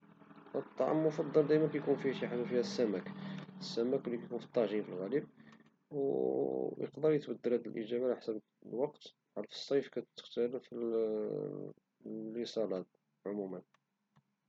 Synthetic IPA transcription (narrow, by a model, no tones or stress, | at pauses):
ʔət̪ˤːɑʕɑ̰mːʊfɑd̪ˤːɑld̪æjmænkæjkunfihæʃiħad̪ufihæsːæmækəsːæmækwlːikæjkunfi̥t̪ˤːɑʕʒinfilɣælib̚ | w | jə̰qd̪ɑɾjət̪bəd̪ːəɾæd̪əlʔḭʒæbalaħsæb | lwɑqt̪ | ħɑlfə̥sˤːɑjfkæt̪t̪ːə̥qt̪ælfi | lisˤɑlɑd̪ | ʕʊmumən